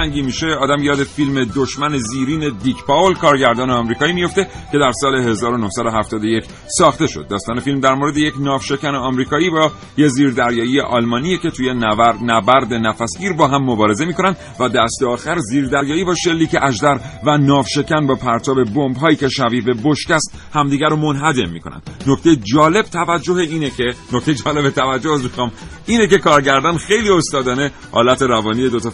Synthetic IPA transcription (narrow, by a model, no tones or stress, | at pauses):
æŋɟimiʃeɒːd̪æmjɒːd̪efilme̞d̪oʃmæneziːɾiːne̞d̪icpɒolkʰɒːɾɟæɾd̪ɒːneɒmɾiːkʰɒːiːmijo̞ft̪ekcʰe̞d̪æɾsɒːle̞ɦe̞zɒːɾo̞nohsæd̪o̞ɦæft̪ɒːd̪oje̞c | sɒːxt̪e̞ʃo̞d̪ːɒːst̪ɒːnefilmd̪æɾmoɾe̞d̪eje̞cnɒːvʃe̞cæneɒmɾiːkʰɒːiːbɒ | jeziːɾd̪æɾjɒːijeʔɒlmɒːnijecʲe̞t̪ʰuːjenæbæɾd̪e̞næfæsɟiːɾbɒːɦæmːobɒːɾe̞ze̞miːkʰo̞nænd̪ | væd̪æst̪eɒːxæɾziːɾd̪æɾjɒːiːbɒːʃe̞lːiːkeʔæʒd̪æɾvænɒːvʃe̞cʰʲænbɒːpʰæɾt̪ʰɒːbe̞bombɦɒːiːce̞ʃæviːvebo̞ʃcæst̪ | hæmd̪iːɡʲæɾomo̞nɦæd̪emːḭːkʰo̞nʔæ̰nd̪d̪nokt̪ejed͡ʒɒːle̞b̥̚t̪ʰævæd͡ʒːoheiːnekenoct̪e̞jed͡ʒɒːle̞bet̪ʰævæd͡ʒːohsmixɒːm | iːnec̬e̞kʰɒːɾɟæɾd̪ɒnxejliːo̞st̪ɒːd̪ɒːne̞ | hɒ̰ːlæt̪ʰe̞ɾævɒːnije̞d̪o̞t̪ʰɒ